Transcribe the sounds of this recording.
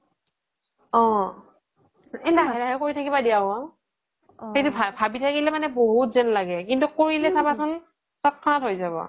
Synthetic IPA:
ɔ̃ | ɛdaɦɛdaɦɛkoɹitʰakibadiabɔ | hejtubʱabʱabitʰakilɛmanɛboɦutzɛnlaɡɛkintukoɹilɛsabasɔn | tɔt̚kʰɔnatɦojzaβɔ̰

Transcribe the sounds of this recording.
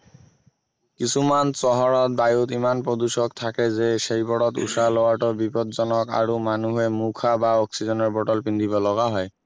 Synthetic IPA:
kisʰumansɔɦɔɹɔt̪̚bajutimanpɹɔd̪uʃɔkt̪ʰakɛzeʃejbɔɽɔt̪ṵsalɔwaɹʈɔbipɔd̪zɔnɔka̰ɹumanuɦɛmukʰabaɔksizɔnɔɹbɔʈɔlpind̪ʱibɔlɔɡaɦɔj

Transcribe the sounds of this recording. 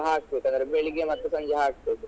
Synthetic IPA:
ɦaːkt̪ʋek̪ɐnd̪ɐɾebeɭiɡemɐt̪ːɐsɐɲd͡ʒɐɦaːk̪̚eːt̪

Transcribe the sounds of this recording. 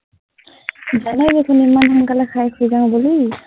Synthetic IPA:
d͡ʒanajdekʰanimanɦaŋkalakʰajkʰujzaŋbɔli

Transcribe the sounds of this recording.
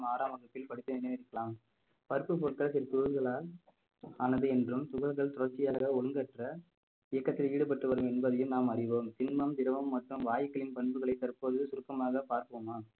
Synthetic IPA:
maːɾaːmɐɣɐt̪ːɪlpɐɽɪt̪ːɯnɪnɐʋɪɽɪkːɐɭaːm | pɐɾɯpːɯp̬ɔɭkɐɭsɪɾɐt̪ʊɾɯɣɐɭaːl | aːnɐðɯɛndrɯmt̪ʊɣɐlɣɐɭt̪ʊɾɐɾt͡ʃːɪjaːɐɣɐɔɻɯŋɡɐʈrɐ | ɪjɐkːɐt̪ːɪliːɽɯp̬ɐʈːɯʋɐɾɯmɛnbɐðɐjɯmnaːmɐrɪʋoːmt̪ɪnmɐmd̪ɪɾɐʋɐmːɐʈrɯmʋaːjɐkːɐɭɪnpɐɳbɯɣɐɭɐɪt̪ːɐɾɯpoːðɯsʊɾɯkːɐmaːɣɐpaːɾkɯomaː

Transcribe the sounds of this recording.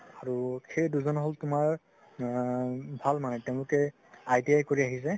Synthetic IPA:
aɹuxejduzɔnɦɔltʊmaɹ | bʱalmanɛtɛʊ̃lʊkɛ | ajdiajkoɹiaɦis̬ɛ

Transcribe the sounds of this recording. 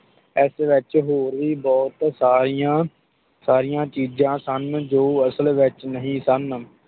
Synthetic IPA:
ɛːsʋɪt͡ʃɦoːɾʋiːbɔːt̪saːɾijãː | saːɾijãːt͡ʃiːd͡ʒãːsənd͡ʒoːəsəlʋɪt͡ʃnəɦĩːsən

